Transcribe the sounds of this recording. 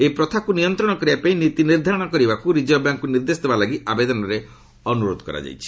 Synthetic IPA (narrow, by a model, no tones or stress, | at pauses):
epɾɔt̪ʰakunijɔnt̪ɾɔɽ̃ɔkɔɾibapaĩnit̪iniɾd̪ʱaɔɽ̃ɔkɔɾibakuɾid͡ʒɔbjaŋkuniɾd̪esɔt̪ʰibalaɡiabed̪ɔnɔɾe | ɔnuɾod̪ʱɔ̥kɔ̰ɾa̰d͡ʒa̰jt͡ʃʰi̥